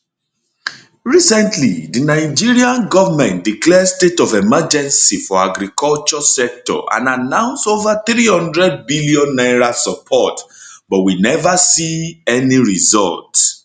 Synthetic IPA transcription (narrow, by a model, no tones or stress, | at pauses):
ɹisɛ̃ntʰlḭdinaɪd͡ʒiɹiãnɡɔvamɛ̃ntdiklɛdstetɔvɛmad͡ʒɛ̃nsifɔaɡɾikʰɔlt͡ʃɔsɛk̚tɔ̰ʔã̰nanãʊ̃nstovaθɾihɔ̃ndɹɛd̚biliɔ̃nːaɹasɔpʰɔtbɔtwinɛvasiɛniɹizɔ̰lt